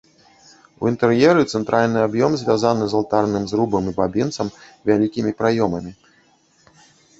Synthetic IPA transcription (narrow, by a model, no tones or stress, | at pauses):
ṵint̪ɛrjɛɾɨt̪sɛnt̪ɾʔalʲnɨabjɔmzʲvʲazanɨzalˠt̪arnɨmzɾubɐmibabʲint̪sɐmvʲalʲikʲimʲipɾajɔmɐmʲi